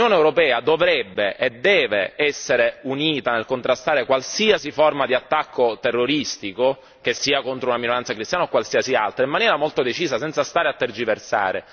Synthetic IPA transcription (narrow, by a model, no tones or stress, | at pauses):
oːneːwɾopɛːad̪ovɾɛbːeʔɛd̪ːɛːveɛsːeɾeuniːt̪anelkont̪ɾast̪aːɾekwalsiːasiformad̪iat̪ːakʰːot̪erːoɾist̪iko | k̟esːiːakont̪ɾounaminoɾant̪sakɾist̪janaokwalsiːasia̰lt̪ɾaimːanjɛːɾamolt̪od̪et͡ʃiːsasɛnt̪sast̪aːɾeat̪ːerd͡ʒiversa̰ːɾḛ